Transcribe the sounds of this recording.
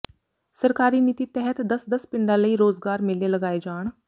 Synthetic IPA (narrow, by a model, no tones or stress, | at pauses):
səɾkaːɾiːniːt̪iːt̪ɛɦət̪d̪əsd̪əspɪɳɖãːləiːɾoːzɡaːɾmɪleləɡaːed͡ʒaːɳ̃